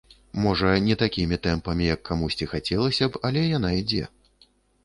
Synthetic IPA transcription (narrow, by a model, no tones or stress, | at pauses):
mɔʐɐnʲɛt̪akʲimʲit̪ɛmpɐmʲijɐkʰːamusʲt͡sʲixat͡sʲɛlˠɐsʲɐpalʲɛjanaid͡zʲɛ̰